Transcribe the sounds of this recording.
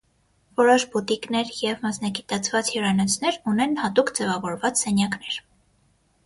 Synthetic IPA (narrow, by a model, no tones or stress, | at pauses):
vɔɾɔʃbut̪iknɛɾjɛvmɑsnɑɡit̪ɑt͡sʰvɑt͡shirɑnɔt͡sʰnɛɾunɛnhɑt̪ukd͡zɛvɑvɔɾvɑt͡ssɛnjɑknɛɾ